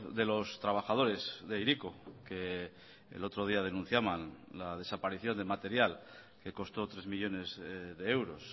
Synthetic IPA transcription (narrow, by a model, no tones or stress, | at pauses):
ðe̞lo̞st̪ɾaβ̞axað̞o̞ɾe̞zðe̞iɾikoke̞ | ḛlo̞t̪ɾo̞ðiað̞e̞nũn̟θjaβanlað̞e̞sapaɾiθjo̞nd̪emat̪e̞ɾjal | ke̞ko̞st̪o̞t̪ɾe̞zmiʎo̞ne̞zðe̞ewɾo̞s